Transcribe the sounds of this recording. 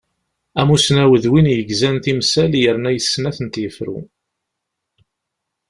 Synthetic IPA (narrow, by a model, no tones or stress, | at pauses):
æmusnæwəðwinjəɡzænt̪imsæljəɾnæjəsːnæθənt̪jəfɾṵ